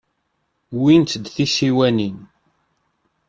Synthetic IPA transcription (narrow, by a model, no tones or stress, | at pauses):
wint̪d̪θisiwænin